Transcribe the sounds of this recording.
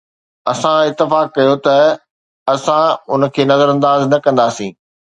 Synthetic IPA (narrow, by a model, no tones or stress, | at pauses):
ɐsãɪt̪ːɪfaːkːɐjot̪ɐ | ɐsãʊnə̆kʰeːnɐzəɾɐ̃nd̪aːznɐkɐ̃nd̪aːsĩː